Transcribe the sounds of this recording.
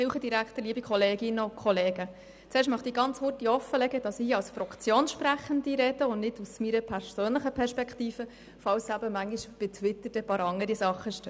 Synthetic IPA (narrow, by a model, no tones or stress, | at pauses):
ɪlχəd̥iɾækχt̪əliːbikχɔleːɡɪnːəkʰχɔleːɡə | t͡sɛːɾʃtmɑχt̪iːɡɑnt͡shʊrtihɔfəlɛɡəd̥ɑsiːɑwsfɾɑkt͡sjoːnʃpræχəndiɾɛd̥əʊnnɪdusmiːɾəpʰɛɾsøːnləχəpʰɛɾʃpɛkχtiːfə | fɑwsæbəmæŋɡiʃb̥ɪtʰwɪt̪ːəd̥ɛpɑːɾɑŋəɾisɑχːəʃtø